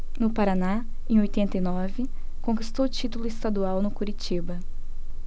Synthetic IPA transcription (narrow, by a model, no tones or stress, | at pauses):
nʊpaɾana | ẽj̃ojt̪ẽnt̪ɐinɔvɪ | kõkist̪owʊt͡ʃit̪ʊlʊɪst̪ad̪uawnʊkuɾit͡ʃibɐ